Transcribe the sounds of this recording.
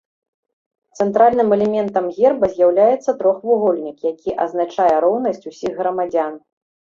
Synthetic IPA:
t̪sɛnt̪ɾalʲnɨmɛlʲɛmʲɛnt̪ɐmɣʲɛrbɐzʲjawlʲajɛt̪sːɐt̪ɾɔxvuɣɔlʲnʲikjakʲʰiʔɐ̰znat͡ʂajɛɾɔwnɐsʲt͡sʲusʲiɣːɾɐmad͡zʲan

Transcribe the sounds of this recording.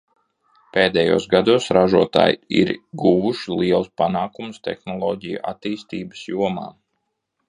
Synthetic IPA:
peːd̪ɛjṵːsɡad̪uɔsɾaʒuɔt̪a̰ːjḭɾɡuʋuʃilˠiɛlˠspanaːkumst̪ḛxnɔlˠɔːɟijṵʔa̰t̪iːst̪iːbə̥sjuɔma̰ː

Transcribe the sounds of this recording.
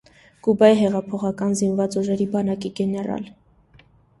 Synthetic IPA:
kubɑjiɦɛʁɑpʰɔχɑkɑnzinvɑt͡suʒɛɾibɑnɑkiɡɛnɛɾɑ̰l

